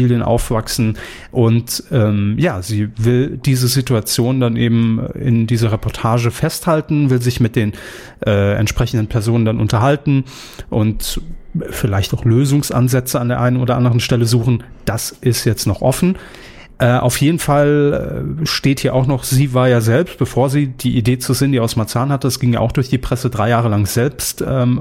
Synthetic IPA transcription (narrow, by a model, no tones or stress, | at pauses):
iljənʔa̰ʊfv̥aksn̩ | ʔʊntʔɛːmjaːziːvɪld̥iːzəzituat͡sjoːndanʔeːbm̩ɪ̰ndiːzɐʁ̞epɔɐtʰaːʒəfɛsthaltn̩vɪlzɪçmɪt̚d̥eːn | ʔɛːɛ̰ntʃpʁ̥ɛçn̩dən̩pʰɛɐzoːnəndanʔʊntɐɦaltn̩ | ʔʊnt | fɪlaɪçtaʊxløːzʊŋsʔa̰nzɛt͡səandeːɐʔaɪnənoːdɐʔandəʁ̞ənʃtɛləzuːxn̩d̥asʔɪstjɛt͡stnɔχʔɔfn̩ | ʔɛːʔa̰ʊfjeːdn̩fal | ʃteːthiːɐʔaʊxnɔχz̥iːvaːɐjaːzɛlpst̚b̥əfoːɐziːd̥iːʔideːt͡suzeːəndiːaʊsmat͡saːnhatəd̥asɡ̥ɪŋja̰ːʔaʊxd̥ʊɐçd̥iːpʁ̥ɛsədʁaɪjaːʁ̞əlaŋz̥ɛlpstʔɛːm